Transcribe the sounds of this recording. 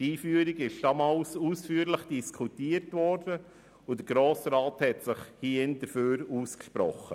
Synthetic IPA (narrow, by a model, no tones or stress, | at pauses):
tiːfyəɾiɡɪʃd̥ɑmɑlsuːsfyːɾləχd̥iskʰutiːəɾtvɔɾd̥ə | ʊd̥əɾɡ̥ɾoːsɾaːthɛtsɪχhiənd̥əføːɾuːskʃpɾɔ̰χə̰